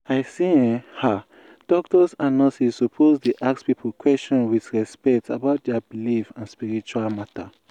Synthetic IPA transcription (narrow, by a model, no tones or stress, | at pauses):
ajsĩha | d̥ɔk̚tɔsãnːɔsisːupʰozdeʔakspipʰəlkʰwɛst͡ʃɔ̃nwiθɹɛspɛk̚tsa̰baʊt̚dɛbilifãnspiɹit͡ʃualmatə